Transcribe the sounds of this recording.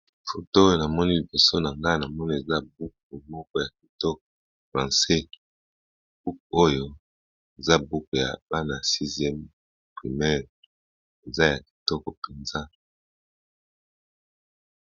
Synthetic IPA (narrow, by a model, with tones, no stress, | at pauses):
fo˨to˦o˦˨na˨mɔ˦ni˦li˨bo˨so˦na˨ŋɡa˦na˨mɔ˦ni˦e˨za˦bu˦k̚u˨mɔ˦kɔ˦ja˨k̚i˨tɔ˦k̚ɔ˨ | fʁã˨sɛ˦ | b̥u˦k̚o˦jo˨ | e˨za˦bu˦ko˨ja̰˨ba˦na˨ja˨si˦zjɛ˦m | pʁi˨mɛ˦ʁ | e˨za˦ja˨ki̥˨tɔ˦kɔ˨pe˨nza˦